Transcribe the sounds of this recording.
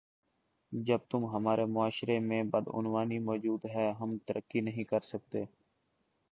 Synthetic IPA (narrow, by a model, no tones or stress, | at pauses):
d͡ʒəb̚t̪ʊmɦəmaːɾeːmʊaːʃɾeːmẽːbəd̪ʊ̰nʋaːnimɔːd͡ʒuːd̪ɦɛːɦəmt̪əɾʔəkːinəɦĩːkəɾsək̚t̪eː